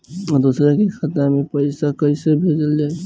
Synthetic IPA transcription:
ɔɾd̪usɾakikʰat̪namẽpəɪsakəɪsebʱed͡ʒəld͡ʒaː

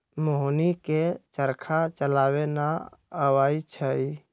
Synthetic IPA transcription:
moɦniket͡ʃəɾkʰat͡ʃəlaːwenaəwaːit͡ʃʰəi

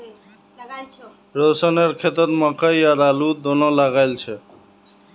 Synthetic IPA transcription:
ɹosanɛɹkʰet̪ɔt̪makʰajaɾalud̪ɔnɔlaɡajlt͡ʃʰɛ

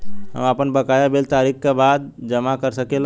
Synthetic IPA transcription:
ɦə̰mapənbəkajabelt̪aɾikkebad̪̚d͡ʒəmakəɾsəkel

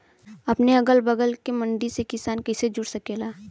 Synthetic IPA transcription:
ɐpneɐɡəlbəɡəlkemɐ̃ɳɖ̪isekɪsaːnkɐɪsed͡ʒʊɽsɐkeːlaː

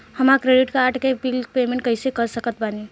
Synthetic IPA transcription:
həmakɾeɖiʈkaɾʈkebilpemẽɳʈ̚kəɪsekəɾsəkət̪̚bani

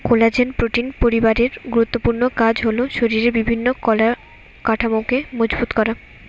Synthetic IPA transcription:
kolad͡ʑenpɾoʈinpoɾibaɾeɾɡuɾut̪ːopuɾnokad͡ʑɦoloʃoɾiɾebibʱinːola | kaʈʰamokemod͡ʑbut̪kɔɾa

